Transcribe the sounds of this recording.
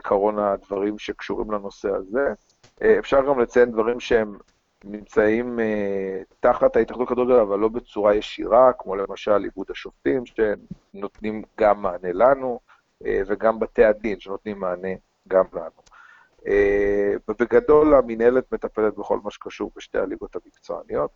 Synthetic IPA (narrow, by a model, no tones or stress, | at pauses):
ikʰaʁo̞nad̪vaʁimʃe̞kʃuʁimlano̞sea̰ze̞ | ʔefʃaʁɡamlet͡sajend̪vaʁimʃeem | nimt͡saimet̪aχat̪hajit̪aχd̪utkad̪uɡadolavalːo̞bet͡suʁajeʃḭʁakmo̞lemaʃalḭbud̪haʃoftimʃe | no̞t̪nimɡamːaːne̞lanu | ḛveɡambatead̪inʃeno̞t̪nimːaːne̞ | ɡamla̰nu | ebebeɡado̞laminelet̪me̞tape̞let̪beχo̞̰lmaʃkaʃuʁbeʃtealiɡo̞t̪hamikt͡so̰a̰nijo̞t̪̚